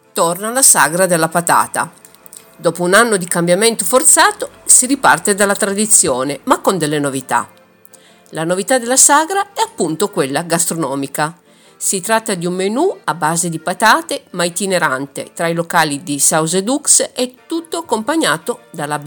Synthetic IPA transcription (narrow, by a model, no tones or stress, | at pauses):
t̪ornalasaɡɾad̪elːapat̪a̰ːt̪a̰ | d̪ɔːpounanːod̪ikambjament̪ofort̪saːt̪osiɾipa̰rt̪ed̪alːat̪ɾad̪it̪sːjoːnemakːond̪elːenovit̪a̰ | lanovit̪ad̪elːasaɡɾaɛapːunt̪okwelːaɡast̪ɾonɔːmika | sit̪ɾat̪ːad̪iumːenuabːaːzed̪ipat̪aːt̪emajt̪ineɾant̪ḛt̪ɾailokaːlid̪isawzed̪uksɛt̪ːut̪ːoakːompaɲːaːt̪od̪alab